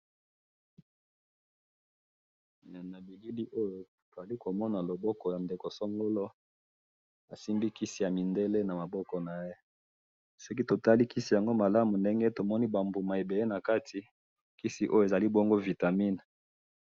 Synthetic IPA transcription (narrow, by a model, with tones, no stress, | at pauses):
na˨bi˨ɡi˦li˦ʔo˦jo˨ | to˨za˨li˦ko˨mɔ˦na˨lo˨bɔ˦kɔ˨ja˨nde˨ko˨sɔ˦ŋɡo˦lo˦ | a˨si˦mbi˦ki˦si˨ja˨mi˨nde˦le˦na˨ma˨bɔ˦kɔ˨na˨je˦ | sɔ˦k̬i˦to˨ta˦li˦ki˦si˨ja˨ŋɡo˦ma˨la˦mu˨nde˦ŋɡe˦to˨mɔ˦ni˦ba˨mbu˨ma˨e˨be˨le˦na˨ka˦tʰi˨ | ki˦si˨ʔo˦jo˨e˨za˨li˦bɔ˦ŋɡo˦vi˨ta˨mi˦n˨